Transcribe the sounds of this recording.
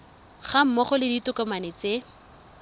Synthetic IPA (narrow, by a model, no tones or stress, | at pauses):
χam̩mɔχʊlɪditʊkɔmanet͡se